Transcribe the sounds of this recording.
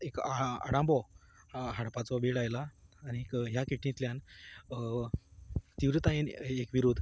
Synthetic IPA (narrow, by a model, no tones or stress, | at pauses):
ekaa̰ɽãmbɔ | ɦaɽpat͡sɔʋeɽajlaːnikɦjakiʈnĩt̪ljan | t̪iʋɾət̪ainekʋiɾud̪ʱ